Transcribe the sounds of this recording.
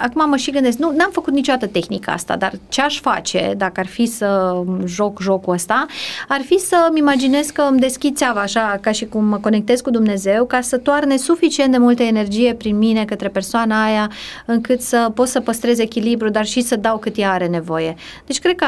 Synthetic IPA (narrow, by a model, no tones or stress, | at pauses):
akumaməʃiɡɨnd̪esk̚nunamfəkut̪nit͡ʃod̪at̪ət̪e̞xnikəa̰st̪a̰d̪a̰rt͡ʃeaʃfat͡ʃe̞̰d̪akəarfisəʒo̞kʒo̞kuəst̪aarfisəmimad͡ʒine̞skkəmd̪e̞skʲid̪̚tsʲeavaːʃakaʃikumːəko̞ne̞k̚t̪e̞zkud̪umne̞ze̞wkasət̪oarne̞sufit͡ʃient̪d̪e̞mult̪əene̞rd͡ʒije̞pɾinmine̞kət̪ɾe̞pe̞rsoanəajaɨŋkɨt̪səpo̞t̪səpəst̪ɾe̞ze̞kʲilibɾud̪arʃisəd̪awkɨt̪jaaɾe̞ne̞vo̞je̞ | d̪e̞t͡ʃʲkɾe̥kə